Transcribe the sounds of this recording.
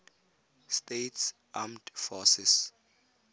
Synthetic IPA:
stets | amdfɔsɪs

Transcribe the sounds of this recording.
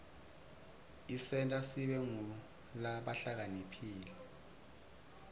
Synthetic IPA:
isɛntʼasiɓɛŋuu | laɓaɬak̬anipʰiːlɛ

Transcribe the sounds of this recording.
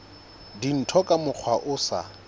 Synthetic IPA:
din̩tʰɔkʼamʊk͡xʰwaʔʊsa̰

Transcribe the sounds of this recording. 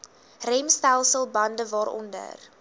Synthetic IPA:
rɛmstælˠsəlˠbɐndəvɑːɾɔ̰ndə̰r

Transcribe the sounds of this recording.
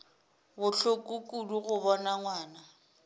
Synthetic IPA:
bʊɬokʼukʼuluɣʊbɔnaŋwaːna

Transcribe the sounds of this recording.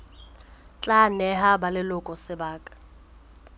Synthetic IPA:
t͡ɬʼanɛɦabalɪlʊkʼɔsɪbaːkʼḁ

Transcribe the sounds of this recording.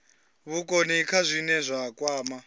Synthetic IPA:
βukʼonikʰazʷinɛzʷakʼwaːma

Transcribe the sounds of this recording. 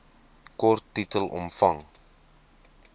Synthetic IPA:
kɔrtːitəlʔɔ̰mfɐŋ

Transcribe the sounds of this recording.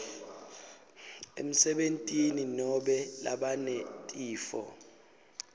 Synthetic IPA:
ḛm̩sɛɓentʼininɔɓɛla̰ɓanɛtʼiːfɔ̰

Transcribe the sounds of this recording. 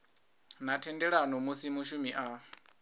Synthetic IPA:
natʰɛndɛɺanɔmusimuʃumiʔa

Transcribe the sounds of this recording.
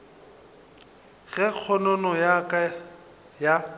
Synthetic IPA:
ɣɛk͡xʰɔnɔnɔjakʼa | ja

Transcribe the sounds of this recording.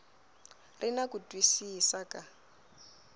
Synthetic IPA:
rinakutʼwisisakʼa

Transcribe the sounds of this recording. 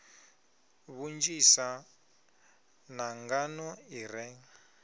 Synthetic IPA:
βund͡ʒisa | naŋɡanɔirɛŋ̩

